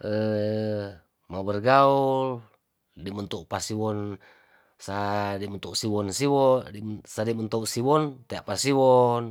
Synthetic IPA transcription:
ʔə | mabərɡaul | dimənt̪uʔpasiwɔn | sadimənt̪uʔsiwɔnsiwɔdisadimənt̪ouʔsiwɔnt̪eaʔpasiwɔn

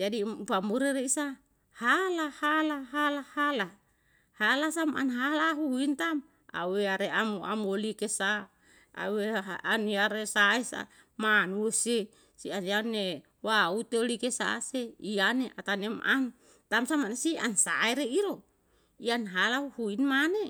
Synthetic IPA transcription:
d͡ʒadipamuɾeɾeisa | halahalaɦalahala | halasamʔa̰nɦalaɦuhuint̪am | a̰weaɾeamuʔa̰molikesa | a̰weaaniaɾesaesa̰ | manuese | sianiane | waut̪eolikesa̰seianeʔat̪anema̰n | t̪amsamanesia̰nsa̰eɾeiɾo | ianɦalahuhuinmane

